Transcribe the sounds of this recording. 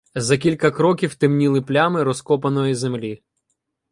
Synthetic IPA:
zɐkʲilʲkɐkɾɔkʲiwt̪ɪmnʲilˠɪplʲamɪɾɔskɔpɐnɔjizemlʲi

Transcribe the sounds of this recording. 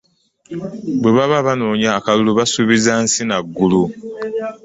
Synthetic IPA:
bwe̞βaβaβanoːɲaːkaluluβasuβizansinaɡːulu

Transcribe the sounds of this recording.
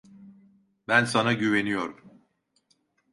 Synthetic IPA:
bænsanaɟyve̞nijo̞ɾum

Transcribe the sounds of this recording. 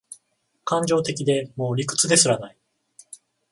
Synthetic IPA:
kãɲ̟d͡ʑo̞ːt̪e̞kʲid̪e̞mo̞ːɾʲikɯ̟̥t͡sɨd̪e̞sɨɾanai

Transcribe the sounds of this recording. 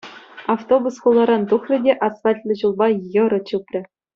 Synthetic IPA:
ɑft̪obusχulˠːɑɾɑnt̪uχrʲɘ̆dʲeʔɑsɑtʲlʲɘ̆ʑulˠbɑjɤ̆ɾɤ̆t͡ɕupʲrʲɘ̆

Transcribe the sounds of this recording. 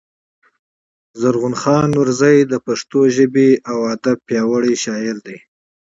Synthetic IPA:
zaɾɣʊnxɑnuɾzajd̪əpaʂt̪oʒəbeawad̪ab̚pjɑwəɽiʃɑɪɾd̪e

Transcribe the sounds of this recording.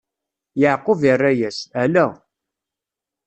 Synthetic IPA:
jəʕqːovirːæjæsælæ

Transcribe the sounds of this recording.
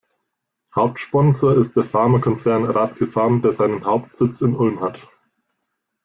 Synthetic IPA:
haʊp̚tʃpɔnzoɪst̚d̥eːɐfaɐmakʰɔnt͡sɛɐnʁaːt͡sjofaɐmd̥eːɐzaɪnənhaʊptz̥ɪt͡sɪnʊlmhat

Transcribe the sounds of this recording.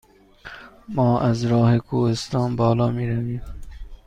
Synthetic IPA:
mɒːʔazɾɒːhekʰoːhest̪ɑːnbɒːlɒːmiːɾaviːm

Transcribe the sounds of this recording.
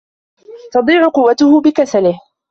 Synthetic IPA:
t̪ɑd̪ˤiːʕʊqʊwːat̪ʊhʊbɪkasalɪh

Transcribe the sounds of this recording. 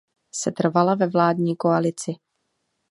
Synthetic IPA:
sɛt̪r̩valavɛvlaːdɲiːko̞alɪt͡sɪ

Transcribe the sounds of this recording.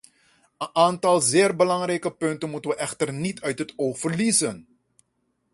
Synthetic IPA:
ənʔaːntɑlˠzɪːrbəlɑŋrɛjkəpɵntənmutənʋəʔɛxtərnitʰœɥtɦətoːxfərlizən

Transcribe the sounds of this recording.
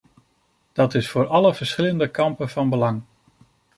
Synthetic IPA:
d̥ɑtɪsfʊːɹɑləv̥əɹsχɪləndəkɑmpənvɑnbəlɑŋ

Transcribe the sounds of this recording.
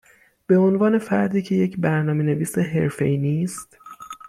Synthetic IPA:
b̥e̞onvɒːne̞fæɾd̪iːcʰe̞je̞cʰbæɾnɒːme̞ne̞viːseɦe̞ɾfḛiniːst̪

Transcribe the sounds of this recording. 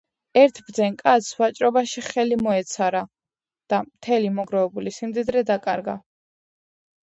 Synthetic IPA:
ɛɾt̪ʰbɾd̪zɛnkʼat̪svat͡ʃʼɾɔbaʃiχɛlimɔɛt̪sʰaɾa | d̪̥amt̪ʰɛlimɔɡɾɔvɛbulisimd̪id̪ɾɛd̪akʼaɾɡa

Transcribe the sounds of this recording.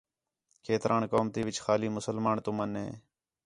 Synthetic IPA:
kʰeːt̪ɾʔaːnkoːmt̪iːʋɪt͡ʃxaːliːmʊsəlmaːɳt̪ʊmənɦḛː

